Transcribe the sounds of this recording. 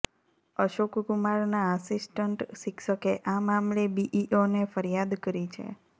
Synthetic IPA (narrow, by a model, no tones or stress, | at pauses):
əʃokkumaɾnaəsisʈəɳʈʃikʰʃəkeʔamamlebiʔiʔonefəɾijad̪kəɾit͡ʃʰḛ